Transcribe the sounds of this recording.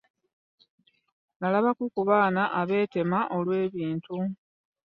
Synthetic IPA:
nalaβakukuβaːnaʔaβe̞ːte̞maʔo̞lwe̞ːβiːntu

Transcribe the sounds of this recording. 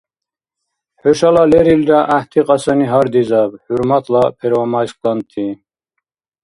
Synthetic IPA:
ħɔʃalalɛɾilɾaʔaht̪ʰiqʼɑsaniɦaɾd̪izabħuɾmat̪ʰlapʰɛɾvamasqʼlant̪ʰi

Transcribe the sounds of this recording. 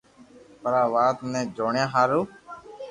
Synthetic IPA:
pəɾaːʋaːt̪nɛ̃ːd͡ʒoːɳjãːɦaːɾoː

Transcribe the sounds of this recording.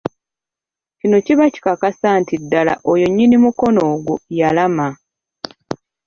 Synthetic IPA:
cino̞ciβaci̥kakasantidːala̰ʔojoɲːinimuko̞no̞ːɡujalama

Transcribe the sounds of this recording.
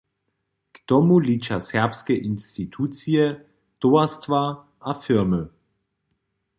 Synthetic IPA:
ktɔmuliːt͡ʃasɛɐpskɛʔinstitʰuːt͡siɛ | toastva | ʔafɪʁmə

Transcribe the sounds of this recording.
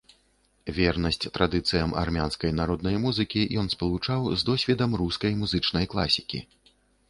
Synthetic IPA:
vʲɛrnɐsʲt͡sʲt̪ɾad̪ɨt̪sɨjɐma̰rmʲanskɐjnaɾɔd̪̚nɐjmuzɨkʲijɔn̪spɐlˠut͡ʂawzd̪ɔsʲvʲɛd̪ɐmruskɐjmuzɨt͡ʂnɐjklˠa̰sʲikʲḭ

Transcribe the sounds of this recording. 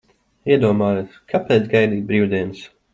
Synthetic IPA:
iɛd̪uɔmaːjukʰapɛːt̪sɡajd̪iːt̪̚bɾiːwd̪iɛns

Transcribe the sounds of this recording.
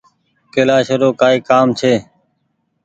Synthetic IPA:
keːlaːʃəɾoːkaːiːkaːmt͡ʃʰeː

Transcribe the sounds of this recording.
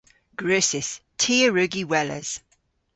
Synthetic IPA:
ɡ̥ɹʉːˑsɪstʰiːəɹʉɡiwɛlə̰z̥

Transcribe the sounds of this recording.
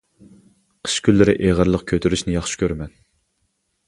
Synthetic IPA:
qʰə̥ʃkʲylːɪɾɪʔeʁəɾlˠəq̚kʲʰøt̪ʰyɾyʃnɪjɑχʃi̥kʲøɾmɛn

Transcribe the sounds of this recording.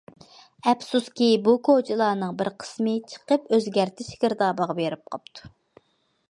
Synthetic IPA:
ɛpsuskʲibukʰot͡ʃʰilˠɑːnɨŋbɪɾqʰə̥smɨt͡ʃʰə̥qəpøzɡʲæɾt̪ʰɪʃɡʲɪɾd̪ɑːbɑʁɑbeɾɪp̚qʰɑp̚t̪ʰu̥

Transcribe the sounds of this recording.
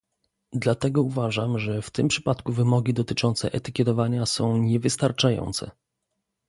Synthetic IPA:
d̪lat̪ɛɡɔuvaʐamʐɛft̪ɘmpʂɘpat̪kuvɘmɔɡʲid̪ɔt̪ɘt͡ʂɔnt̪sɛ̰ʔɛt̪ɘkʲɛt̪ɔvaɲasɔ̃w̃ɲɛvɘst̪aɾt͡ʂajɔ̰nt̪sɛ̰

